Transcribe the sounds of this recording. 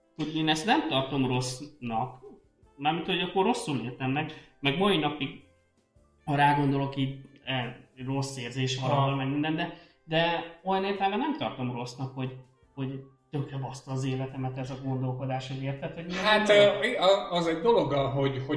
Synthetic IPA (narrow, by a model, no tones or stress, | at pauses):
ho̞ɟeːnɛst̪nɛmt̪ɒrt̪o̞mro̞snɒk | namit̪ho̞ɟɒkːorːo̞sːuleːrt̪ɛnnɛkmɛɡmɒinɒpiɡ | hɒɾaːɡo̞nd̪o̞lo̞kiːɟɛro̞sːeːrzeːʃɦɒlɒbolmɛɡmind̪ɛnd̪ɛ | d̪ɛo̞jɒneːrt̪ɛlmbɛnɛmt̪ɒ̰rt̪o̞mro̞snɒkho̞ɟ | ho̞ɟ | t̪økrɛbɒst̪ɒzeːlɛt̪ɛmɛt̪ɛzɒɡo̞nd̪o̞lko̞d̪aːʃɒzeːrt̪ɛt̪hominatt̪ː | zɛɟd̪o̞lo̞ɡɦoho